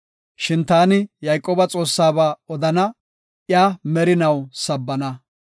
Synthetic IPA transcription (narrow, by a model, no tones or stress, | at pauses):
ʃɪnt̪aːnɪjɐjkʼːoːbɐt͡sʼo̞ːsːaːbaːɔd̪ɐnɐ | ʔɪjaːmɛɾɪnɐwsɐbːɐnɐ